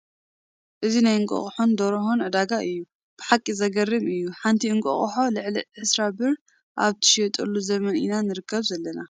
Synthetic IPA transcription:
ʔɨzinajɨŋkʼo̰χʼħond̪ɐɾɐhonʕɨd̪aɡaʔɨjːu | b̥ɨħakʼːizɐɡɐrːɨmɨjːuħant̪ʰiɨŋkʼo̰χʼħo̞lɨʕliʕɨsɾabɨɾ | ʔa̰βt̪ʰɐ̥ʃɛt̪ʼɐlːuzɐmɐnʔḭnanɨɾɨkʰːɐβzɐlːɐna

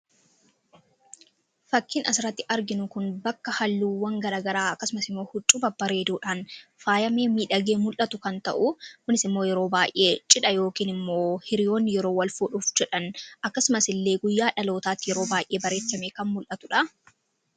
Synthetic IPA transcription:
fɐkːiːnɐsɪɾɐt̪ːɪʔɐɾɡɪnʊkʊnbɐkːɐhɐlːuːwɐŋɡɐɾaːɡɐɾaːɐkːɐsʊmɐsɪmːo̞ːhʊt͡ʃʼːʊbɐbɐɾe̞ːd̪uːᶑaːnfaːjɐme̞ːmiːᶑɐɡe̞ːmʊlʔɐt̪ʊkɐnt̪ɐ̰ʔʊkʊnɪsɪmːo̞ːjɛɾo̞ːbaːjʔe̞ːt͡ʃʼɪᶑɐjo̞ːkiːnɪmːo̞ːhɪɾɪjo̞ːnːɪjɛɾo̞ːwɐlfuᶑʊfd͡ʒɛᶑɐnʔɐkːɐsʊmɐsɪlːe̞ːɡʊjːaːᶑɐlo̞ːt̪aːt̪ːɪjɛɾo̞ːbaːjʔe̞ːbɐɾe̞ːtːɐmeːkɐnmʊlʔɐt̪ʊᶑɐ

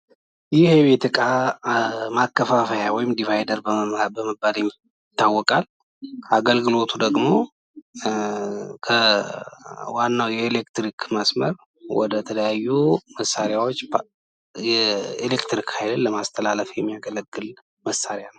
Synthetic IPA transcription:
jɪhebet̪ʰɨkʼa | makːəfafəjawɔjɪmd̪ivajdəɾbəbəməbːaljɛmː | t̪ːawːɔkʼalʰ | aɡəlɡɨlo̞t̪ʰud̪əɡmo̞ | kʰə | wanːawjɛelekt̪ɾikʰməsməɾ | wɔ̰d̪ət̪ʰələjajːuməsːaɾjawot͡ʃː | jɛelekt̪ɾikhajlɨnlːəmast̪ʰəlaləfjɛmːijaɡələɡːɨl | məsːaɾjanəww

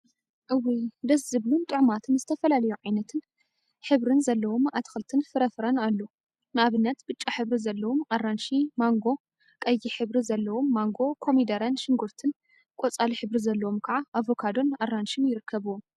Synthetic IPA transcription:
ʔɨwːid̪ɐzɨβlunt̪ʼɨʕmat̪ʰɨnzɨt̪ʰɐfɐlalɐjuʕajnɐt̪ʰɨn | ħɨβɾɨnzɐlːɐwo̞mat̪xɨlt̪ʰɨnfɨɾɐfɾɐnalːo | nɨʔaβɨnːɐt̪bɨt͡ʃʼːaħɨβɾizɐlːɐwomʔarːanʃimaŋɡo̞ | kʼɐjːiħɨβɾizɐlːɐwo̞mːaŋɡo̞kʰo̞mid̪ɐɾɐnʃɪŋɡuɾt̪ʰɨn | kʼot͡sʼaliħɨβɾizɐlːɐwomkʰɐʕaʔavo̞kʰad̪o̞narːanʃinjɪɾɨkʰːɐβuwom

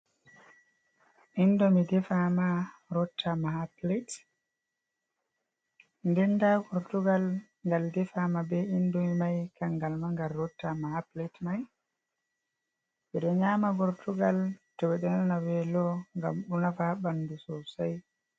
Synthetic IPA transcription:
ʔindɔmidɛfamaɾɔtʰːamaɦaplet | ndɛndakɔɾtuɡal | ŋɡaldɛfamabɛindɔmimajkaŋɡalmaŋɡalːɔtːamahaplɛtmaj | ɓɛɗɔɲamabɔɾtʰuɡaltɔwɛɗɛnanawɛlɔŋɡamɗunafabandusɔsaj

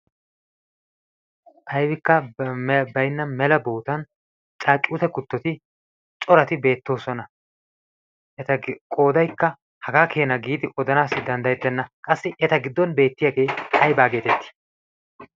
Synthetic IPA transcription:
ʔɐjbɪkːɐ | bɐjnːɐmɛlɐbo̞ːt̪ɐn | t͡ʃʼaːt͡ʃʼːuːt̪ɛkʊt̪ːɔt̪ɪ | t͡ʃʼɔɾɐt̪ɪbe̞ːt̪ːo̞ːsɔnɐ | ʔɛt̪ɐkʼo̞ːd̪ɐjkːɐ | hɐɡaːkʰe̞ːnɐɡiːd̪ɪʔɔd̪ɐnaːsːɪd̪ɐnd̪ɐjɛt̪ːɛnːɐkʼɐsːɪʔɛt̪ɐɡɪd̪ːɔnbe̞ːt̪ːɪjaɡe̞jʔɐjbaːɡe̞ːt̪ɛt̪ːɪ̥

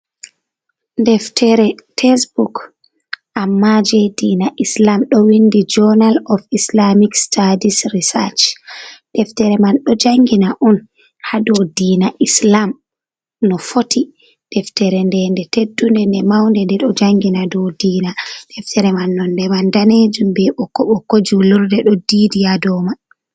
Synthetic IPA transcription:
ndɛftʰɛɾɛtʰɛsbuk | ʔamːad͡ʒɛdiːnaʔislamɗɔwindid͡ʒɔnalɔfislamikstʰadisɾisat͡ʃd̥ɛftɛɾɛmanɗɔd͡ʒaŋɡinaʔɔn | hadɔdiːnaʔislam | nɔfotʰi | d̥ɛftɛɾɛndɛndɛtedːundɛndɛmawndɛndɛɗɔd͡ʒaŋɡinadɔwdiːnadɛftɛɾɛmanːɔndɛmandaned͡ʒumbɛʔɔkɔɓɔkod͡ʒuluɾdɛɗɔdidijadɔma

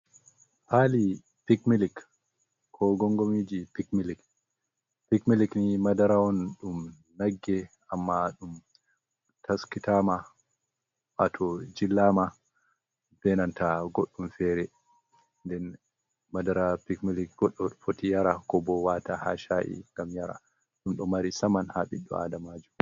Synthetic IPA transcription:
hali | pikmilik | kʰːɔɡɔŋɡomid͡ʒipikmilik | pikmiliknimadaɾaɔnɗum | naɡːɛ | amːaɗum | tʰaskitama | ʔatʰɔd͡ʒilːama | b̥ɛnantaɡoɗːumfɛɾɛ | ndɛn | madaɾapikmilik̚ɡ̥ɔɗːɔɗfotijaɾakɔbɔwataha̰ʃaʔḭŋɡamjaɾa̰ | ɗumɗɔmaɾisamanhaɓiɗːɔ̰a̰damaːd͡ʒum

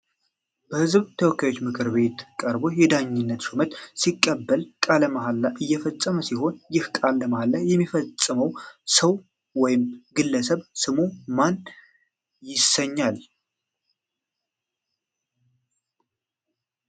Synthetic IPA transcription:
b̥əhɨzbt̪ʰəwɔkːjajo̞t͡ʃːmɨkʰɨɾβe̞t̪kʼəɾbo̞jɛd̪aɲːɪnːət̪sumət̪sikʼːəbːəlkʼaləmaɦalːaʔɨjːɛfəsʼːəməsiho̞njɪhkʼalːəmahalːajɛmːifət͡sʼːɨməwsəw | wɔjɪmɡɨlːəs̬əβsɨmuman | jɪsəɲːal

